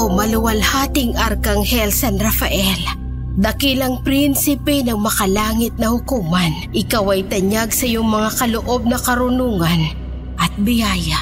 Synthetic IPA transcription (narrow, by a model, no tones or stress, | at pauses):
mɐlʊwɐlhaːt̪ɪŋʔɐɾkɐŋhɛlsanɾɐfɐʔɛl | d̪ɐkilɐŋpɾinsɪpɛnɐŋmɐkɐlaːŋɪt̪̚nɐhʊkuːmɐnʔɪkawɐjt̪ɐɲaɡsɐjʊŋmɐŋakɐloʔo̞b̚nɐkɐɾʊnuːŋɐn | ʔɐt̪̚bɪjaːja